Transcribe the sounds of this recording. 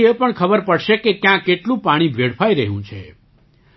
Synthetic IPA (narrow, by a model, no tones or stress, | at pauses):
epəɳkʰəbəɾpəɽʃekekjãkeʈlũpaɽ̃ĩbʱeɽpʰaiɾəɦjṵ̃t͡ʃʰḛ